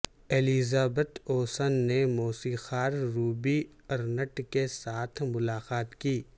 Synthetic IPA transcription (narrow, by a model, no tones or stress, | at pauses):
eːlizaːbət̪oːsənːemoːsixaːɾːuːbi | ɐɾnəʈkesaːt̪ʰmʊlaːqaːt̪kiː